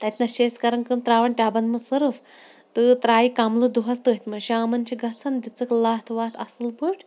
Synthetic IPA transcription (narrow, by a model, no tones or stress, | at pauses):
t̪ɐt̪ʰnɐɕeskɐɾɐnkəmt̪ɾaːʋɐɳʈʲaːbɐnmɐsɨɾft̪ɨt̪ɾaːikamlud̪uɦɐst̪ɨit̪mɐɕiamɐnt͡ʃiɡɐt͡sʰɐnd̪it͡sɨklat̪ʰʋaːt̪ʰɐsɨlbuʈ